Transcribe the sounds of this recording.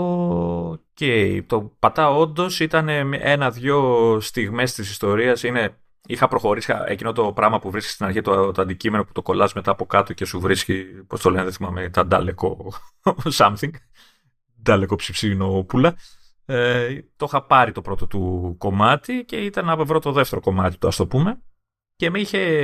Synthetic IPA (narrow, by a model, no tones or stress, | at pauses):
o | ceit̪o̞pɐt̪ɐo̞nd̪o̞sit̪ɐne̞mʔenɐðʝo̞st̪iɣme̞st̪is̬ist̪o̞ɾiɐsine̞ | ixɐpɾo̞xo̞ɾisiɐ̰ḛcino̞t̪o̞pɾɐɣmɐpuvɾisce̥st̪inɐɾçit̪ot̪oɐnd̪icime̞no̞pu̥t̪o̞ko̞lɐzme̞t̪ɐːpo̞kɐt̪o̞ce̞suvɾiscipo̞st̪o̞leneðeθimɐmet̪ɐnd̪ɐ̰leko̞ | sɐmθiŋɡ | d̪ɐleko̞psifsino̞opulɐ | t̪o̞xɐpɐɾit̪o̞pɾo̞t̪o̞t̪uko̞mɐt̪ice̞it̪ɐnɐvovɾo̞t̪o̞ðe̞ft̪e̞ɾo̞ko̞mɐt̪i̥t̪oɐst̪o̞pume̞ | ce̞miçe̞